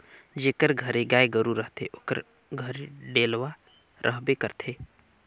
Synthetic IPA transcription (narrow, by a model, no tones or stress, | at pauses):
d͡ʒeːkəɾɡʱəɾeɡaːeɡəɾuɾəɦt̪ʰeʔoːkə̰ɾ | ɡʱəɾɖeːlʋa | ɾʔə̰ɦbekəɾt̪ʰeː